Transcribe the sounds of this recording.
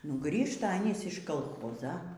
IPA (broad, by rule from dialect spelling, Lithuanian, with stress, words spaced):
nʊ ˈɡrʲiːʃtɐ ɐˈnʲiːs ɪʃ kɐlˠˈxoːzɐ